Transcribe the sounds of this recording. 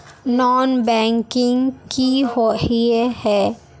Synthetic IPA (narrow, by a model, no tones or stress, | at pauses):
nɔːnbɛ̃ːŋkɪ̃ŋɡkiɦoiehɛː